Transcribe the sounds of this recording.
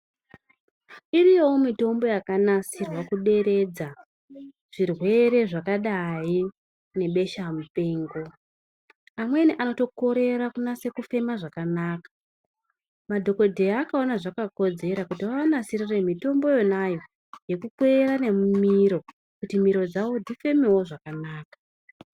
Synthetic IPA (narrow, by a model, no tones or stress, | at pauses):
iɾiomito̞mbo̞jakanasirwakuɗe̞ɾe̞d͡za | ʐ̥irwe̞ɾe̞ʐakaɗai | ne̞ɓe̞ʃamupe̞ːŋɡo̞ | amwe̞niʔano̞to̞ko̞ɾe̞ɾakunase̞kufe̞maʐakanaːkḁ | madʱo̞ko̞dʱe̞aːkao̞naʐakako̞d͡ze̞ɾakutiwaʋanasirire̞mito̞mbo̞jo̞najo̞ | je̞kukweɾane̞mumiɾo̞ | kutimiɾo̞d͡zawo̞dʱife̞mewo̞ʐakanaːkḁ